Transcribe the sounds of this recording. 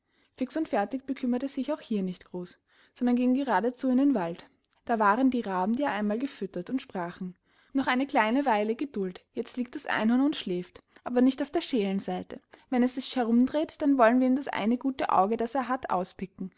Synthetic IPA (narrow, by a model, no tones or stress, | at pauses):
fɪksʊntfɛɐtɪç̚b̥əkʰʏmɐtəɛsz̥ɪçaʊxhiːɐnɪçtɡ̥ʁoːs | z̥ɔndɐnɡɪŋɡəʁ̞aːdət͡suːɪndeːnvalt | d̥aːvaːʁəndiːʁaːbm̩diaːʔaɪnmaːlɡəfʏtɐtʊntʃpʁ̥aːχn̩ | nɔχʔaɪnəkl̥aɪnəvaɪləɡədʊltjɛt͡stliːk̚td̥asʔa̰ɪnʊnʊntʃlɛːftʔaːbɐnɪçtaʊfd̥eːɐʃeːlənzaɪtʰəvɛnɛsz̥ɪçhɛɐʁ̞ʊmdʁeːtd̥anvɔlənviɐiːmdasʔa̰ɪnəɡuːtəʔa̰ʊɡəd̥aseːɐɦatʔa̰ʊspɪkŋ̩